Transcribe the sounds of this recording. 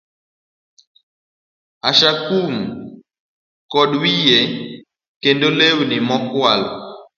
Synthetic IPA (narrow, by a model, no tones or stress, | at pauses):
aʃakum̩ | kɔɗwijɛ | kɛndolewunimɔkwalɔ